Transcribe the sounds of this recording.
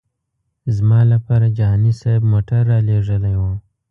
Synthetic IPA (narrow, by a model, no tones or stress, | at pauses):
zmaːlapɐɾad͡ʒaːnisabmoːʈɐɾːaleːʐɐlajwãː